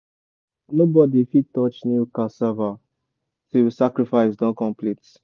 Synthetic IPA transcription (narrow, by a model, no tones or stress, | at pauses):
nobɔdifitɔt͡ʃnikasava | tisakɾifaɪsdɔ̃kɔ̃mplit